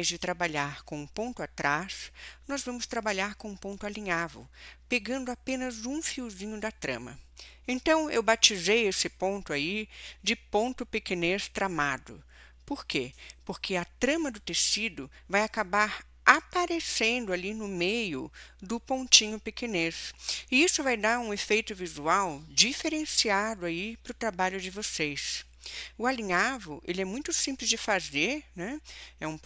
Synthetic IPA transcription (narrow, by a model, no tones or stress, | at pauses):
jzd͡ʒɪt̪ɾabaʎaɾkõũpõnt̪ʊat̪ɾasnɔzvɐ̃mʊst̪ɾabaʎaɾkõũpõnt̪ʊalĩɲavḛwpeɡɐ̃nd̪ʊapẽnɐzũfiwzĩɲʊd̪ɐt̪ɾɐ̰̃mɐ̰ | ẽnt̪ɐ̃w̃ewbat͡ʃizejesɪpõnt̪ʊaid͡ʒɪpõnt̪ʊpekenest̪ɾamad̪ʊ̰ | poɾkepoɾkʰɪɐt̪ɾɐ̃mɐd̪ʊt̪esid̪ʊ | vajakabaɾ | apaɾesẽnd̪ʊalinʊmejʊd̪ʊpõnt͡ʃĩɲʊpekenesɪisʊvajd̪aɾũefejt̪ʊvizuawd͡ʒifeɾẽsiad̪ʊaipɾʊt̪ɾabaʎʊd͡ʒɪvosejs | ʊalĩɲavʊʔḛlɪɛmũj̃t̪ʊsĩplɪzd͡ʒɪfazeɾnɛ̃ɛũ